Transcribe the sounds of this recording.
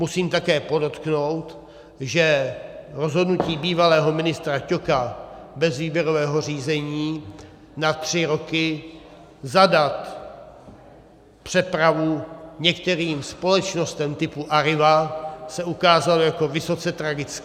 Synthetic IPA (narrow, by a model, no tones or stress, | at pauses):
musiːmt̪akɛːpo̞do̞t̪kno̞wt̪ | ʒɛɾo̞zɦo̞dnuciːbiːvalɛːɦo̞mɪnɪst̪ɾacokabɛzviːbjɛɾo̞vɛːɦo̞r̝iːzɛɲiː | nat̪r̝̥ɪɾo̞kɪ | zadat̪ | pr̝̥ɛpɾavuɲɛkt̪ɛɾiːmspo̞lɛt͡ʃno̞st̪ɛmt̪ɪpuʔaɾɪvasɛukaːzalojako̞vɪso̞t͡sɛt̪ɾaɡɪt͡skː